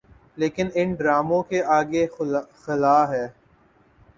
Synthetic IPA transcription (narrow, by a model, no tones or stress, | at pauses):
leːkɪnɪnɖɾaːmõkeʔaːɡexɪlaːɦɛː